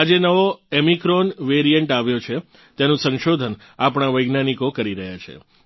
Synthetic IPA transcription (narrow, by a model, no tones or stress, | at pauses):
ad͡ʒenəʋoemikɾonʋeɾijəɳʈaʋjot͡ʃʰe | t̪enũsə̃nʃod̪ʱən | apɽ̃aʋəjɡnanikokəɾiɾəɦjat͡ʃʰḛ